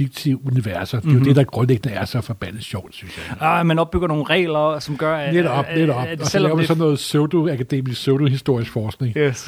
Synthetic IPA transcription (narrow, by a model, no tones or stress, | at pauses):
fiɡ̥t͡sʰiuniʋæɐsɐd̥e̝jod̥e̝d̥ɑ̈ɡ̥ʁɔ̽nleɡ̥̚nəæɐsɑfɒb̥æn̰ð̩ˠsɕɒʊd̥syn̰ɕjɑ̈mænɒ̽b̥̚yɡ̥ɐno̝ːn̩ʁɛ̰ːlɐsɒ̽mɡ̥ɶɐneɾ̥ɒ̽b̥ned̥ɒb̥ɒ̽sɒlːʊɐmænsɒ̽nnːɔ̽ːð̩ˠsøʊd̥oækʰæd̥e̝̰ːmisɡ̥søʊd̥oɦisd̥o̝ɐ̰isɡ̥fɒːsɡ̥ne̝ŋ